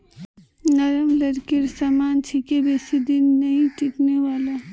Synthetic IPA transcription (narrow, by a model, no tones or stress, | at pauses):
nəɾəmləɾkɪɾsaːmaːnt͡ʃʰikebeːsid̪ɪnːɐɦĩʈɪʈneʋaːla